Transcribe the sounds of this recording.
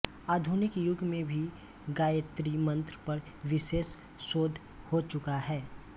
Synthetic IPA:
aːd̪ʱʊnɪkjʊɡʱmẽbʱi | ɡaːjət̪ɾimə̃nt̪ɾpɐɾ | ʋɪʃeːsː | oːd̪ʱ | hot͡ʃʊkaɦɛː

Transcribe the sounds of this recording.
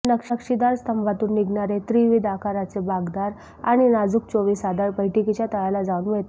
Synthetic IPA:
nəkʂkʂid̪aɾst̪əmbʱat̪uːnːiɡnɳaɾet̪ɾiʋid̪akʰaɾat͡sebaɡd̪aɾ | aɽ̃inad͡zuːk̚t͡soʋiːsad̪aɾpəjʈikit͡ɕat̪əɭalad͡zaunmeɭt̪

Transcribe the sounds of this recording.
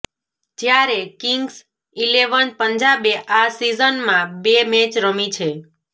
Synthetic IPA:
d͡ʒjaɾekiŋɡs | ileʋənpəɲd͡ʒabeʔasizənmãbemɛ̃t͡ʃɾəmit͡ʃʰe

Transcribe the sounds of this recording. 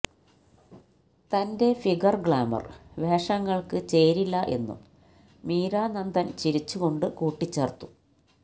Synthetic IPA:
t̪ɐnde̞fiɡɐrɡɭaːmɐ̰rʋe̞ːʂɐŋːɐɭkɨt͡ɕe̞ːɾilːɐʔe̞̰nːṵm | miːɾaːnɐnd̪ɐnt͡ɕiɾit͡ɕːuɣo̞ɳɖɨkuːʈːit͡ɕːeːrt̪ːu̥

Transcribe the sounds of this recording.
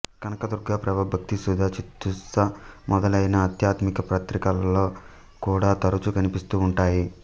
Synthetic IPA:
kɐnɐkɐd̪uɾɡaːpɾɐʋɐbʱɐk̚t̪isud̪ʱɐt͡ʃit̪ːusɐmɔd̪ɐlɐjnɐːt̪jaːt̪mikɐpɾɐt̪ɾikɐlɐlo̞ː | kuːɽaːt̪ɐɾut͡ʃukɐnipist̪uːɳʈaːji

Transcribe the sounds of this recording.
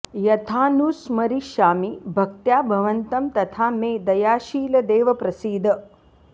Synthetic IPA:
jɐt̪ʰaːnusmɐɾiʃaːmibʱɐk̚t̪jaːbʱɐʋɐnt̪ɐmt̪ɐt̪ʰaːmeːd̪ɐjaːʃiːlɐd̪eːʋɐpɾɐsiːd̪ʱ

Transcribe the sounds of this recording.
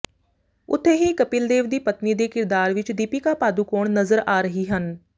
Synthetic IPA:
ʊ̰t̪ʰːeɦikɐpɪld̪eːʋd̪iːpɐt̪nid̪ekɪɾd̪aːɾʋɪt͡ʃd̪iːpikapaːd̪ukoːɽ̃nɐzəɾaːɾəɦiɦən

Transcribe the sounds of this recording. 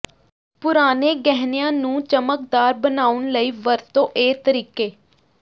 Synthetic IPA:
pʊɾaːneːɡɛɦnejãːnũːt͡ʃəmək̚d̪aːɾbənaːʊɳləiːʋəɾt̪õːʔeːt̪əɾiːkeː

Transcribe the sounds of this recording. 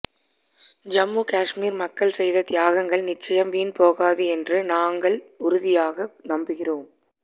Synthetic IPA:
d͡ʒɐmːuːkaːʂmiːɾmɐkːɐɭsɛjðɐt̪jaːɣɐŋɡɐɭnɪt͡ʃːɐjɐmʋiːnpoːɣaːðɯɛndrɯnaːŋɡɐɭʊɾʊðɪjaːɣɐnɐmbɯɣɪroːm

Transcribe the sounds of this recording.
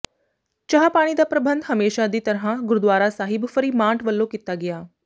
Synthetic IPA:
t͡ʃəɦapaːɽ̃iːd̪aːpɾəbənd̪ɦəmeːʃad̪iːt̪əɾɦãɡʊɾud̪ʋaːɾasaːɦɪbfəɾiːmãːʈʋəlːokit̪aɡɪjaː

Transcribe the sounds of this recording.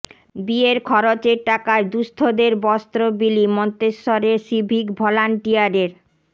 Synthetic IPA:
bieɾkʰɔɾot͡ɕeɾʈakaed̪ust̪ʰod̪eɾbɔst̪ɾobilimɔnt̪eʃːɔɾeʃibʱikbʱɔlanʈijaɾeɾ

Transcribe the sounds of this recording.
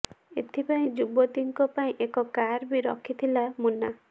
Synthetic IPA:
ḛt̪ʰipaĩd͡ʒubot̪iŋkɔpaĩʔekɔkaɾbiɾɔ̰kʰːit̪ʰilamunːa

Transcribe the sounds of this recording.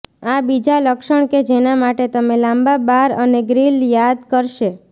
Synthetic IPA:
abid͡ʒaləkʃəɳ̃ked͡ʒenamaʈet̪əmelãmbabaɾəneɡɾiljad̪kəɾʃe

